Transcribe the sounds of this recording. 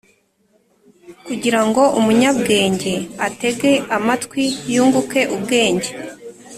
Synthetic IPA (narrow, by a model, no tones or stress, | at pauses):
kuɟiɾaŋɡo̞ʔumuɲab̚ɡe̞ːɲɟe̞ate̞ɡe̞amatkwijuːŋɡuke̞ʔub̚ɡe̞ːɲɟe